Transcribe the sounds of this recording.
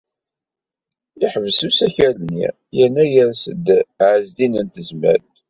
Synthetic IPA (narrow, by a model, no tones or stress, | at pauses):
iħəvəsusæçælnḭ | jənːæjæɾsəd̪ʕəzd̪inənt̪əzmæ̰ɾ